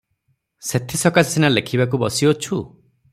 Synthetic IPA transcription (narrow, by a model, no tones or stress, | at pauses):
set̪ʰisɔkasinalekʰibak̬ubɔsiɔt͡ʃʰu